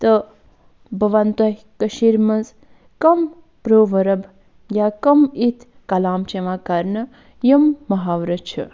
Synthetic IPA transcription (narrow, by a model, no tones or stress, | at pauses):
t̪ə | bʱɐʋɐnt̪ɐɦʲ | kəʃiɾmɐnz | kɐm | pɾoːʋɐɾɐb | jaːkɐmit̪ʰ | kɐlaːmt͡ʃeʋãːkɐɾnɐ | jɐmːɐɦaːʋɾɐt͡ʃʰɨ̰